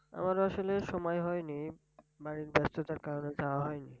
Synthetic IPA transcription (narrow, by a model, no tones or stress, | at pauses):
a̰maɾoaʃoleʃɔmɔjɦɔjni | baɾiɾbɛst̪ʰot̪aɾkaɾoned͡ʑaoaɦɔjni